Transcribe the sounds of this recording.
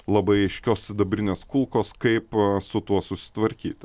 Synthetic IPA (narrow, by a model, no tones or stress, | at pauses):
lˠɐbɐɪɐɪʃʲkʲoːsʲɪd̪ɐbʲɾʲɪnʲeːskʊlˠkoːskɐɪpsʊt̪uɔsʊsʲɪ̥t̪ʋɐɾʲkʲḭːt̪ʲ